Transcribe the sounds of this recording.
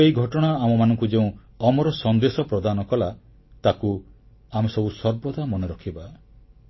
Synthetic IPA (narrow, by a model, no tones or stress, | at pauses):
eiɡʱɔʈɔɽ̃aamɔmanɔ̃ŋkud͡ʒeũ | ɔmɔɾɔsɔnd̪esɔpɾɔd̪anɔkɔla | t̪aku | amesɔbusɔɾbɔd̪ʱamɔnɔɾɔkʰiba